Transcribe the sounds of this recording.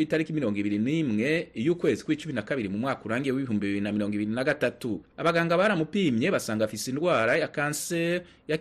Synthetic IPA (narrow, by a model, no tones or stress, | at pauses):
itaɾikimiɾo̞ːŋɡiβiɾinimŋe̞ijuːkwe̞ːzikwiːt͡ʃuminakaβiɾimumŋaːkuɾaːŋɡijewiβiɦuːmbiβiβiɾinamiɾo̞ːŋɡiβiɾinaɡatatuaβaɡaːŋɡaβaɾamupiːmɲe̞βasaːŋɡafisindɡwaːɾajakaːnse | ja